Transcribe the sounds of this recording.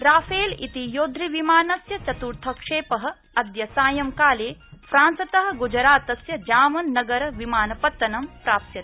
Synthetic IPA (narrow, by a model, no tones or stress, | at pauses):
ɾaːfeːlḭt̪ijoːd̪ʱɾiʋimaːnɐsjɐt͡ʃɐt̪uɾt̪ʰɐkʂeːpɐɦɐ̆ | ɐd̪jɐsaːjɐmkaːleːfɾaːnsɐt̪ɐɦɐ̆ɡud͡ʒɐɾaːt̪ɐsjɐd͡ʒaːmɐnːɐɡɐɾɐʋimaːnɐpɐt̪ːɐnɐmpɾaːp̚t̪jɐt̪i̥